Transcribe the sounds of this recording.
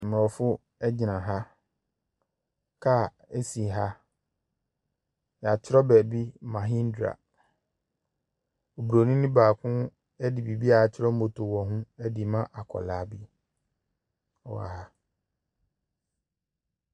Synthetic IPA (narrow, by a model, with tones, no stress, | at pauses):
m̃˨ɔ˨fʊ˦ | ɛ˦d͡ʑɪ˨nã˨ɦa˦ | kʰa˦˨ | ɛ˦si˨ɦa˦ | ja˨t͡ɕʰɪ˦ɾɔ˦bɛː˨bi˦mã˨ɦĩ˦n̩˦dɾa̰˨ | o˨bɾo˨nĩ˦nĩ˦baː˨kʰʊ̃˦ | ɛ˦di˨bi˨bi˦a˨t͡ɕʰɪ˦ɾɔ˦m̩˦o˨tʰo˨wɔ˨ɦʊ̃˦ɛ˦di˨mã˦ʔa˨kʰɔ̰˨laː˨˦bi˦ | ɔ̰˨wa̰˨ha˦